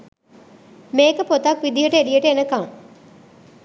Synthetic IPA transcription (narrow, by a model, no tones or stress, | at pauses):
meːkəpot̪ɐkʋid̪ijəʈəelijəʈəenəkɐŋ